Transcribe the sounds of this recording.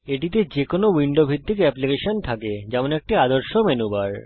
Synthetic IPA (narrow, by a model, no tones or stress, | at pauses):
eʈit̪̬ed͡ʑekonowiɳɖobʱid̪ʱːikɛplikeʃont̪ʰaked͡ʑɛmonek̚ʈiad̪oɾʃomenubaɾ